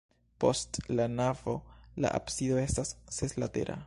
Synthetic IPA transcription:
po̞stlanavo̞la̰ʔa̰psido̞e̞stasːeslate̞̰ɾʔa̰

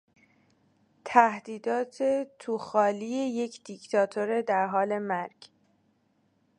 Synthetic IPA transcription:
t̪ʰæhd̪̥iːd̪ɒːt̪ʰe̞t̪ʰuːxɒːliːeje̞cʰd̪̥ict̪ʰɒːt̪ʰoɾe̞d̪æɾɦɒːle̞mæɾɡ̥

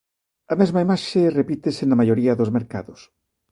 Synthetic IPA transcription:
ɐmezmaimaʃerepit̪esenɐmajoɾiɐðozmeɾkaðʊs

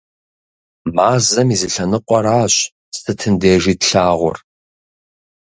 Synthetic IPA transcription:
maːzɐmizɨɬɐnɨqʷʼɔɾaːɕ | stʰɨtʰɨndeːʐiːtɬaːʁʷʊ̰r

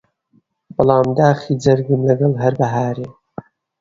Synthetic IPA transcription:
b̥ɨlɑːmd̪aːxiːd͡zɐɾɡɨnlɐɡɐlɦɐɾbɐɦaːɾeː

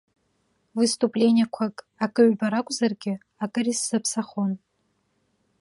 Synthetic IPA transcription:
vɨst̪ʼupʼlʲe̞nʲiakʷʰakʼ | akʼɨʕbaɾakʷʼzarɡʲɪ | akʼɨrisːɨpʰsaχon

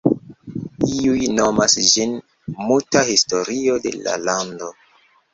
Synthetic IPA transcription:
iujnomasd͡ʒin | multahisto̞ɾiode̞̰la̰lando̞

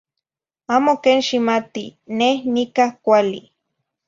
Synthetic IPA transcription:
aːmokeːnʃimat̪inehnikahkʷali

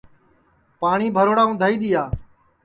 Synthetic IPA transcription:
paːɳiːbʱəɾoːɽaːũːd̪ʱaːiːɗ̪iːaː

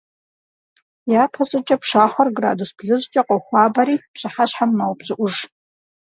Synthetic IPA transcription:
japʰasʼat͡ʃʼapʰʂaħʷarɡra̰dusb̥ɮɨzʷʼt͡ʃʼaqʼaχʷabaɾit͡ʃʷʰaħaɕħammawpʼt͡ʃʷʼaʔʷʊʐ

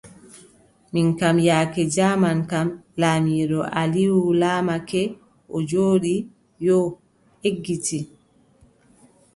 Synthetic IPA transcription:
minkamjaːkɛd͡ʒaːmankamlaːmiːɗɔʔaliwulaːmakɛ | ʔɔd͡ʒoːɗi | jɔ | eɡːiti

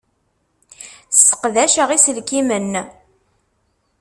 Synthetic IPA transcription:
sə̥qðæʃəʁisəlkimən

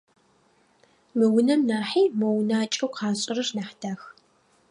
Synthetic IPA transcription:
mɨwʊnɐmnaːħiːmɐwʊnaːt͡ʃʼɐwqʰɑːɕʼɪrɐrnaħd̥aːx

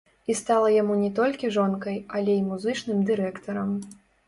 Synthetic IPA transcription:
ist̪alˠɐjamunʲɛt̪ɔlʲkʲiʐɔnkɐjɐlʲeimuzɨt͡ʂnɨmd̪ɨɾɛkt̪ɐɾɐm

